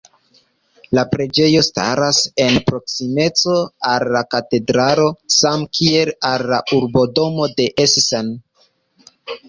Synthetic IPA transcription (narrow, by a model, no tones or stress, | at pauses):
lapɾe̞d͡ʒe̞jo̞sta̰ɾase̞npɾo̞ksime̞t͡so̞alːakate̞dɾaɾo̞samkʰie̞lalːaʔuɾbo̞do̞mo̞de̞ʔessen